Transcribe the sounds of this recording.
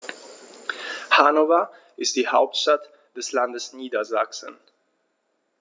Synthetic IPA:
haːnovɐ | ʔɪst̚d̥iːhaʊp̚tʃtat | d̥ɛslandəsniːdɐzaksən

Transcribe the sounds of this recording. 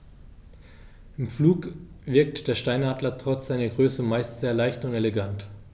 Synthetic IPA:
ʔɪmfluːkv̥ɪɐk̚td̥eːɐʃtaɪnaːdlɐtʁ̥ɔt͡sz̥aɪnɐɡʁøːsəmaɪstz̥eːɐlaɪçtʊnteleɡant

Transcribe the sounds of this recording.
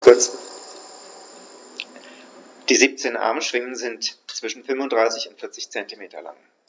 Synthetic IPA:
kʊɐt͡s | d̥iːziːp̚t͡seːnʔa̰ɐmʃv̥ɪŋənzɪntt͡sv̥ɪʃn̩fʏnvʊndʁaɪsɪçʊntfɪɐt͡sɪçt͡sɛntimeːtɐ̰la̰ŋ

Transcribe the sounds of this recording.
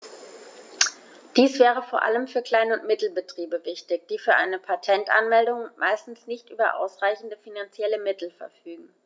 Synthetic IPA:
d̥iːsv̥ɛːʁ̞əfoːɐʔa̰ləmfyːɐkl̥aɪnəʊntmɪtl̩bətʁ̥iːbəvɪçtɪçd̥iːfyːɐʔaɪnəpʰatʰɛntʔa̰nmɛldʊŋmʔaɪstn̩snɪçtʔyːbɐʔa̰ʊsʁ̥aɪçn̩dəfinant͡sjɛləmɪtl̩fɛɐfyːɡŋ̩

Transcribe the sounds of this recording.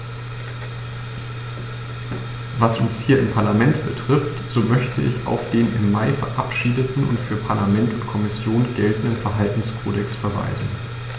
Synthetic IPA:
vasʔʊnshiːɐɪmpʰaɐlamɛntb̥ətʁ̥ɪftz̥oːmœçtʰəʔɪ̰ça̰ʊfd̥eːnɪmːaɪfɛɐʔapʃiːdətn̩ʊ̰ntfyːɐpʰaɐlamɛntʊntkʰɔmɪsjoːnɡ̥ɛltn̩dənfɛɐɦaltn̩skʰoːdɛksfɛɐva̰ɪzn̩

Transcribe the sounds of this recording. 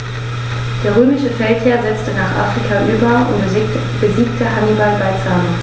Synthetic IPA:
d̥eːɐʁ̞øːmɪʃəfɛltheːɐzɛt͡stənaːχʔa̰ːfʁ̥ikʰaʔyːbɐʊ̰nt | b̥əziːktʰəɦanibalbaɪt͡saːnən

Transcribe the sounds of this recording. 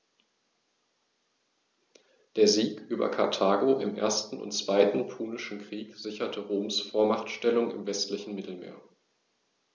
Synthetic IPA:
d̥eːɐziːkʔyːbɐ̰kʰaɐtʰaːɡoʔɪmʔḛːɐstn̩ʊ̰ntt͡sv̥aɪtn̩pʰuːnɪʃn̩kʁ̥iːkz̥ɪçɐtʰəʁoːmsfoːɐmaχtʃtɛlʊŋɪ̰mvɛstlɪçn̩mɪtl̩mḛːɐ

